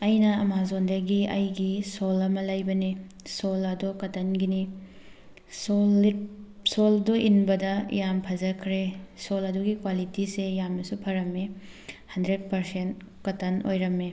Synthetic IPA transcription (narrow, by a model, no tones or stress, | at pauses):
ɐjnɐɐmazondɾɐɡiɐjɡisolɐmɐlɐjbɐni | solɐdokɐtɐnɡini | so | soldoʔinbɐdɐ̰jampʰɐzɐkʰɾesolɐduɡikwalitisejamnɐsupʰɐɾɐmːe | hɐndɾed̚pɐɾsent̚ | kɐtɐno̰jɾɐmːe